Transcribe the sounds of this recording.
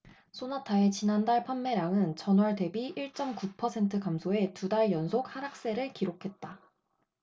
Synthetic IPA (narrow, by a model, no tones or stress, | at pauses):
sʰonatʰaet͡ɕinandaɭpʰanːe̞ɾaŋɯnt͡ɕʌnwʌɭde̞biiɭt͡ɕ͈ʌmkupʰʌsʰe̞ntʰɯkamsʰoe̞tudaɭjʌnsʰok̚haɾak̚s͈e̞ɾɯɭkiɾokʰe̞t̚t͈a